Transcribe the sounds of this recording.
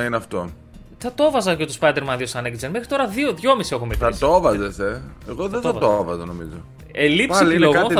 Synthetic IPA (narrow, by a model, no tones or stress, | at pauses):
ineɐft̪o̞ | θɐt̪o̞vɐzɐcot̪ospɐjd̪e̞ɾmɐnðiosɐnekizenme̞xɾit̪o̞ɾɐðioðʝo̞misie̞xumetɐt̪ovɐzeseeɣoðet̪ɐɐovɐzɐnomizo | elipsiiloɣo